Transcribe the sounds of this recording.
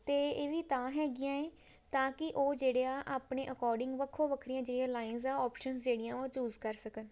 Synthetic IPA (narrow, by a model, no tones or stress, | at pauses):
t̪eːeːʋiːt̪ãːɦɛːɡɪjãːeː | t̪ãːkɪʔoːd͡ʒeːɽejãːʔaːpɳeːʔəkɔːɾɖɪŋɡʋəkʰːoːʋəkʰɾijãːd͡ʒeːɽɪjãːlaːɪnzɛːɔːpʃənsd͡ʒeːɽɪjãːõːt͡ʃuːzkəɾsəkən